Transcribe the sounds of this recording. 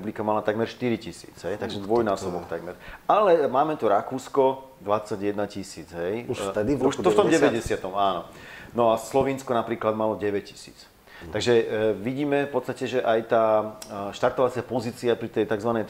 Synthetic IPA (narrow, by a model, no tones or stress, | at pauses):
ublikamalat̪aɡmɛɾʃt̪iɾicisḭːd͡zɦɛjt̪aɡʒɛd̪ʋɔjnaːsɔbɔkt̪aɡmɛɾalɛmaːmɛt̪uɾakuːskɔ | d̪ʋat͡sːaɟjɛd̪nacisiːd͡zɦɛjut̪ɛd̪iuʃt̪ɔft̪ɔmɟɛʋɛɟɛsɪat̪ɔmaːnɔ | nɔaslɔʋiːnskɔnapɾiːklad̪malɔɟɛʋɛc̚ci̥sḭːt͡s | tt̪aɡʒɛʋiɟiːmɛfpɔtt͡sst̪acɛʒɛʔajt̪aːʃt̪aɾt̪ɔʋat͡sɪapɔziːt͡siapɾit̪ɛjt̪aɡzʋanɛj̪